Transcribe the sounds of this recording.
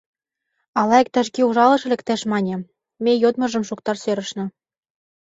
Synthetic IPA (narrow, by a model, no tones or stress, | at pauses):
ɑlˠɑek̚t̪æ̆ʃkeuʒɑlɤ̆ʃɘ̆lʲɘ̆k̚t̪æʃmɑnʲɤ̆ | mʲejod̪mɤ̆ʒɤ̆mʃukt̪ɑrsøɾɤ̆ʃnɤ̆